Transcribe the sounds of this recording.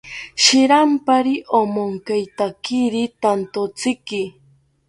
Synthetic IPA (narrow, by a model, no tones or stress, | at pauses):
ʃɪɾampaɾiʔomoŋkajt̪akɪɾit̪ant̪ot͡sɪkɪ